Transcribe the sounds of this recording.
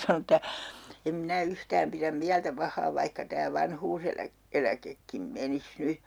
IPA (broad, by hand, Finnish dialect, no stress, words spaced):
sɑnon ĕtːæ em minæ yhtæːm piræm miæltæ pɑhˑɑː ʋɑihkɑ tæː ʋɑnhuːselæ elækekːim menis ny